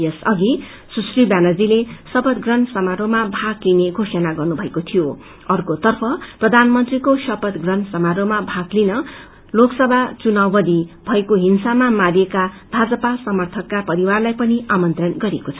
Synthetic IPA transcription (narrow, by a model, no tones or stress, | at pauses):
jʌsʌɡi | susribjanʌd͡zilesʌpʌt̪ɡrʌnsʌmaɾomabʱaklineɡʱosʌnaɡʌrnubʱʌekot̪ʰijo | ʌrkot̪ʌrpʰʌprʌd̪ʱanmʌnt̪rikosʌpʌt̪ɡrʌnsʌmaɾomabʱaɡlinʌ | loksʌbʱat͡sunawːʌd̪ibʱʌekoɦinsamamaɾijekabʱad͡zʌpasʌmʌrt̪ʰʌkːapʌɾiwarlajpʌniʔamʌnt̪rʌnɡʌɾekot͡sʰʌ